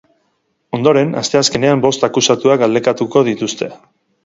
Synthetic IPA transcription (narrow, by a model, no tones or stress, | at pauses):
o̞nd̪o̞ɾe̞na̰st̪e̞aske̞ne̞ambo̞st̪akusat̪uaɡald̪e̞kat̪uko̞ð̞it̪ust̪e̞